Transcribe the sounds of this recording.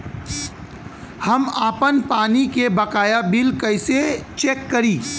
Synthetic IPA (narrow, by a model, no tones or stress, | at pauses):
hɐmaːpənpaːnikebɐkaːjabɪlkɐɪset͡ʃeːkːɐɾiː